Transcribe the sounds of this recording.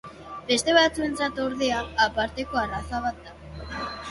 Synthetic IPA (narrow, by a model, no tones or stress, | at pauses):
be̞st̪e̞β̞at͡sue̞nt͡sat̪oɾðeaːpaɾt̪e̞ko̞arasaβat̪̚d̪a